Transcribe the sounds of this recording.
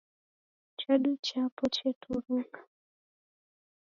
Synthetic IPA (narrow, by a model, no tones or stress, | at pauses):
t͡ʃaɗut͡ʃapɔt͡ʃɛtuɾuŋɡa